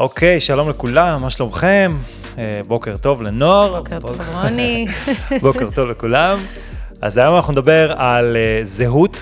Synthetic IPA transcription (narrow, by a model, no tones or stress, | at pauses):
ʔokʰe̞jʃalo̞mlekulamːaʃlomχe̞m | ebo̞keʁt̪o̞vlenoaʁonibo̞keʁt̪o̞vlekulam | ʔa̰zajomanaχnund̪abe̞ʁalezeɦut